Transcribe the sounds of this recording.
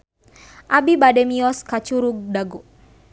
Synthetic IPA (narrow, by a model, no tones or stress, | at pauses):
ʔabibadɛmiɔskat͡ʃuɾuɡ̚daɡo